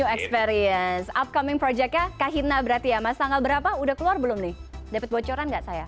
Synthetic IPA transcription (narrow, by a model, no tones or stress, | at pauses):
uɛkspɛɾiənsap̚kamɪŋpɾɔd͡ʒɛk̚jakaɦinabəɾart̪ijamast̪aŋɡalbəɾapaudahkəluarbəlʊmnɪhdapət̪̚bot͡ʃoɾanŋɡaʔsaja